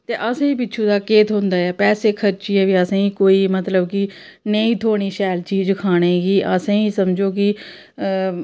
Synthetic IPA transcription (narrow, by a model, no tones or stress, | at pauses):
t̪eːʔəsẽːiːpɪtːʃʰũːd̪aːkeːt̪ɦʊ̃nd̪aːɛːpɛːseːkʰəɾt͡ʃiːɛːʋiːəsãːĩːkoːiːmət̪ləbkɪ | neĩːt̪ʰoːɽ̃iːʃɛːlt͡ʃiːd͡ʒkʰaːɽ̃eːɡiːʔəsãːĩːsəmd͡ʒoːkɪ